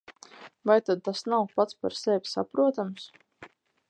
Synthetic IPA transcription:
vajt̪ad̪̚t̪asnawpat̪spa̰ɾsɛvʲsa̰pɾuɔt̪ams

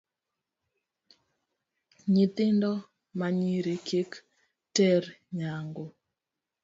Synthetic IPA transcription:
ɲit̪ɪndɔ | maɲiɾekʰek | tɛɾɲaŋɡo

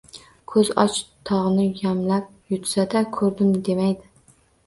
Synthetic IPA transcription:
kʰɵzɒ̰t͡ʃt̪ʰɒʁɨnɪjamlap̚jʊt̪sad̪akʰɵɾd̪ɪmd̪e̞majd̪ɪ

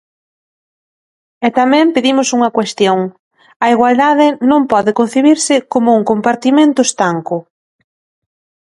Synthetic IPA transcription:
ɛt̪amɛ̃mpeðimʊsuŋɐkwest̪joŋ | ɐiɣwald̪aðɪnõmpɔðɪkon̟θiβiɾsɪkomʊuŋkompaɾt̪imẽnt̪ʊest̪aŋkʊ

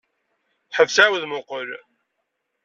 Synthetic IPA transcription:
ħəvsawðmʊqəɾ

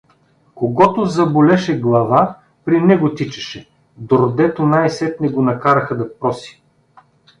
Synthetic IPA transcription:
koɡɔt̪ʊzɐbolɛʃɛɡlˠɐva | pɾinɛɡʊt̪it͡ʃɛ̥ʃɛ | d̪oɾd̪ɛt̪onajsɛt̪nɛɡonɐkaɾɐxɐd̪ɐpɾɔsi̥

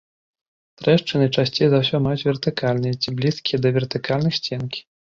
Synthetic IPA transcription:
t̪ɾɛʂt͡ʂɨnɨt͡ʂasʲt͡sʲejzawsʲɔmajut͡sʲvʲɛrt̪ɨkʰalʲnɨjɛt͡sʲiblʲiskʲijɛd̪ɐvʲɛrt̪ɨkalʲnɨxsʲt͡sʲɛnkʲi̥

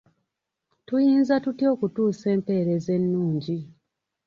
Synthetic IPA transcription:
tujiːnzatutio̞ːkutuːse̞ːmpe̞ːɾe̞ze̞nːuːɲɟi

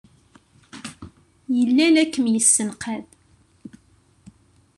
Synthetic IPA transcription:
jəlːænækːəmjəsːənqæð

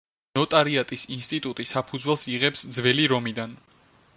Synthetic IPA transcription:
nɔt̪ʼaɾiat̪ʼisinst̪ʼit̪ʼut̪ʼisapʰud̪zwɛlˠsiʁɛpsd̪zvɛliɾɔmid̪an

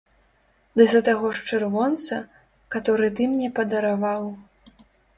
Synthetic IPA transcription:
d̪ɨzɐt̪aɣɔʂt͡ʂɨrvɔnt̪sɐ | kat̪ɔɾɨt̪ɨmnʲɛpɐd̪ɐɾavaw

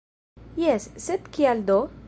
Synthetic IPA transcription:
jɛsːed̪kiald̪o

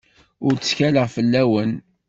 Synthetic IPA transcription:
ʊɾt͡sːə̥sçæləʁfəlːæwən

